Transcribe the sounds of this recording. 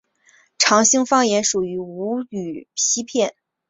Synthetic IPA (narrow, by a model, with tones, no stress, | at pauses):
ʈ͡ʂʰɑ˧˥ŋɕi˥ŋfɑ˥ŋjɛ˧˥nʂu˨˩y˧˥u˧˥y˨˩pʰi˥pʰjɛ˥˩n